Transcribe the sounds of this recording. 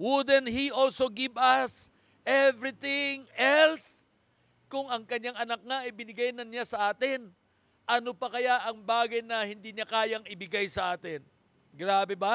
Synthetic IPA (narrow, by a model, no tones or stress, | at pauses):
wʊd̪ɛnhiʔolsoɡɪvɐs | ʔɛvɾɪt̪ɪŋɛls | kʊŋɐŋkɐɲːaŋɐnak̚ŋaɐjbɪnɪɡajnɐnasɐʔaːt̪ɪn | ʔɐnopɐkɐjaʔɐŋbaːɡɐjnɐhɪnd̪iɲakaːjɐŋɪbɪɡajsɐʔaːt̪ɪn | ɡɾaːbɛba